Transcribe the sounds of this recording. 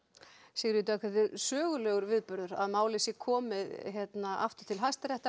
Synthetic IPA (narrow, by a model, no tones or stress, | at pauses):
sɪɣɾjʏt̪̬ʏakvɛt̪ɪɾsœːɣʏlɛːɣʏɾvɪðpʏɾðʏɾaðmaːwlɪsɪkʰɔːmɪðçjɛt̪naʔa̰ft̪ʏ̥t̪ʰɪlɦajst̪aɾɛht̪a